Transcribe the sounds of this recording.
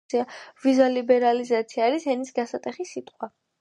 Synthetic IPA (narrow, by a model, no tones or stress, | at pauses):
iavizalibɛɾalizat̪sʰiaːɾishɛnisɡasat̪ʼɛχisit̪ʼqʼwa